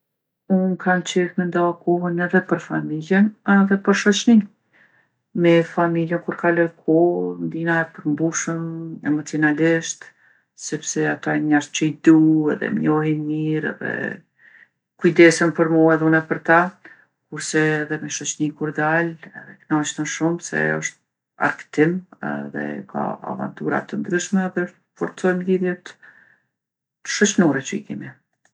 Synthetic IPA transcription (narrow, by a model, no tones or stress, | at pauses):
unkʰant͡ʃɛɾmɛnd̪ɔkɔɦənɛðɛpəɾfamiljənɛðɛpəɾʃɔt͡ʃni | mɛfamiljənkuɾkalɔɾkʰɔnd̪inaɛpəɾmbuʃəmɛmat̪inaliʃt̪ | sɛpsɛat̪aɲaɾt͡ʃəid̪uɛ̰ðɛ̰mɲɔɦinmiɾɛ̰ðɛ̰ | kujd̪ɛsɛmpəɾmɔɛðunɛpəɾt̪a | kuɾsɛːðɛmɛʃɔt͡ʃnikuɾd̪alɛðɛknɔt͡ʃnəʃumsɛ̰ɔʃt̪̚ | a̰ɾkt̪imɛ̰ðɛ̰kʰa̰a̰va̰nt̪uɾa̰t̪ənd̪ɾyʃmɛðɛɔʃt̪fɔɾt͡sɔjmliðjɛt̪ | ə̥ʃɔt͡ʃnɔɾɛt͡ɕəḭkɛmi